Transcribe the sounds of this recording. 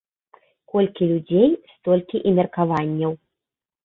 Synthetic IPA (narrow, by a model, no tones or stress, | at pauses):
kɔlʲkʲilʲud͡zʲejst̪ɔlʲkʲiʔimʲɐrkavanʲːɐw